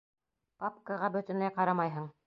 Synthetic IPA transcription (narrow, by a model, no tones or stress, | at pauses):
papkaʁɑbɵ̆t̪ɵ̆nlæjqɑɾɑmɑjɦɤɴ